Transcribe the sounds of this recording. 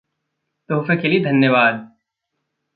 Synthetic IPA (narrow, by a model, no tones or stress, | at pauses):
t̪oːfekelid̪ʱɐnjəʋaːd̪̚